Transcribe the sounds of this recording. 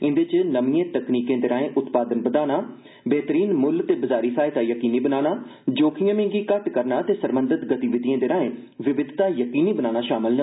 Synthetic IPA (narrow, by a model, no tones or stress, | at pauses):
ɪ̃nd̪eːt͡ʃnəmiẽːt̪əkniːkẽːd̪eɾaːẽːʔʊt̪paːd̪ənbəd̪aːnaː | beːt̪əɾiːnmʊlt̪eːbəzaːɾiːpʰaːɪd̪aːjəkiːniːbənaːnaːd͡ʒoːkʰɪjãːmɪ̃ːŋɡiːkəʈkəɾnaːt̪eːsəɾmə̃nd̪ət̪ɡət̪iʋɪd̪ijẽːd̪eːɾaːẽː | ʋɪʋɪd̪ʱt̪aːjəkiːniːbənaːnaːʃaːmɪlnə